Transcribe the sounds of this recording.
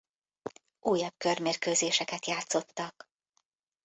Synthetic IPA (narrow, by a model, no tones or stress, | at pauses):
ʔuːjɒb̚kørmeːrkøːzeːʃɛkɛt̪jaːt̪so̞t̪ːɒk